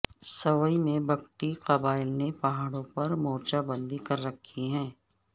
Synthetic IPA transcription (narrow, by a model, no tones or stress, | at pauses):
sɐwəimẽbɐkʈiqɐbaːɪlnepaɦaːɽõpɐɾmɔːt͡ʃabə̃nd̪ikɐɾːɐkʰːiɦɛ̃ː